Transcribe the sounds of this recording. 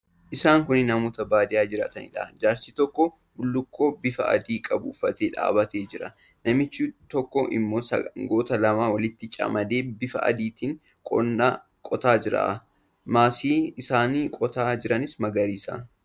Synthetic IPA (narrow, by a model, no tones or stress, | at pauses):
ʔɪsaːŋkʊnːɪnɐmoːt̪ɐbaːd̪ɪjaːd͡ʒɪɾa̰ːt̪ɐnɪ̰ᶑa̰d͡ʒaːɾsiːt̪ɔkːɔ | bʊlːʊkːoːbɪfɐ̰ʔɐ̰d̪iːkʼɐbʊːfːɐt̪eːᶑa̰ːbɐt̪e̞ːd͡ʒɪɾɐ̰ | nɐmɪt͡ʃːuːt̪ɔkːɔʔɪ̰mːoːsɐ̰ŋɡo̞ːt̪ɐlɐmaːwɐlɪt̪ːɪt͡ʃʼɐ̰mɐd̪eːbɪfɐ̰ʔɐ̰d̪iːt̪iːŋ | kʼɔ̰nːaː | kʼɔt̪aːd͡ʒɪɾa̰ː | maːsiːɪsaːniːkʼɔt̪aːd͡ʒɪɾɐnɪsmɐɡɐɾiːsa̰ː